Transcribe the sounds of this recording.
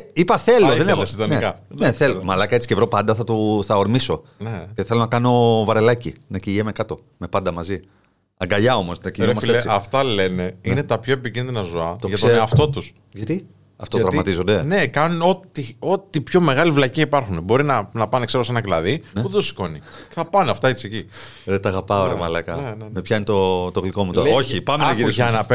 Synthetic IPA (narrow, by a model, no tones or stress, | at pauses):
ipɐθeloððenɐsid̪oniekɐneθelomɐlɐkɐet͡si̥cevɾo̞pɐnd̪ɐθɐt̪uθɐoɾmiso̞neceθe̞lo̞nɐkɐno̞vɐɾe̞lɐcinɐciʝemekɐt̪o̞ | me̞pɐnd̪ɐmɐzi | ɐŋɡɐʎɐo̞mo̞st̪nɐcimɐseessiɐft̪ɐle̞ne̞inet̪ɐpço̞epicĩnðinɐzoɐt̪oʝɐtseɐft̪o̞t̪us | ʝɐt̪i | ɐft̪oɐt̪ɾɐvmɐt̪izond̪e̞ne̞kɐnuno̞t̪io̞t̪ipço̞me̞ɣɐlivlɐciɐipɐɾxunebo̞ɾinɐnɐpɐnekseɾosenɐklɐðieuðed̪osi̥ko̞nieθɐpɐneɐft̪ɐit̪iseci | ðet̪ɐɣɐpɐoɾemɐlɐkɐenemepçɐinet̪ot̪oɣliko̞mut̪oɾoçipɐmenɐʝiɾisɐnɐpe